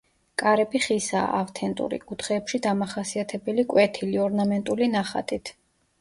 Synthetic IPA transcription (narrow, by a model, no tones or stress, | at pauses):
kʼaɾɛbiχisa̰ːʔaft̪ʰɛnt̪ʼṵɾḭkʼut̪ʰχɛːpʃid̪amaχasiat̪ʰɛbɛlikʼwɛt̪ʰiliɔɾnamɛnt̪ʼulinaχa̰t̪ʼit̪ʰ